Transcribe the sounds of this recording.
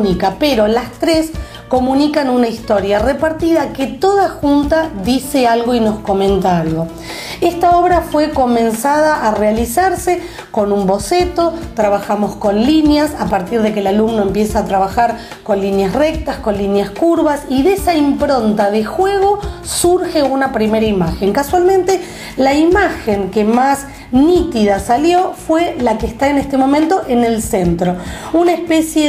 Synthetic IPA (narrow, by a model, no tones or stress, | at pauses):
nikapeɾo̞last̪ɾes | ko̞mũnikanunaist̪o̞ɾjarepaɾt̪iðaket̪o̞ðaxunt̪aðisealɣo̞ino̞sko̞mẽ̞nt̪aaɾjo | est̪ao̞β̞ɾafwe̞ko̞mẽ̞nsaðaʔːrealisaɾse | ko̞numbo̞set̪o̞t̪ɾaβaxamo̞sko̞nlinjasapaɾt̪iɾðekelalumno̞e̞mpjesaːt̪ɾaβaxaɾ | ko̞nlinjasrek̚t̪asko̞nlinjaskuɾβasiðesaimpɾo̞nt̪aðexweɣo̞ | suɾxeunapɾimeɾaimaxe̞ŋkaswalmẽnt̪e | laimaxeŋkemas | nit̪iðasaljofwelakeːst̪aenest̪emo̞mẽnt̪o̞ʔenelsent̪ɾo̞unaespesje